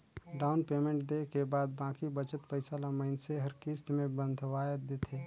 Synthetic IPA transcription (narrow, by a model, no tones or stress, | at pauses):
ɖaːʊnpeːmẽɳʈ̚d̪ekebaːd̪̚bãːkibət͡ʃət̪pəɪsalaməɪnseɦɐɾkist̪mẽbə̃nd̪ʱʋaːjd̪ɪt̪ʰeː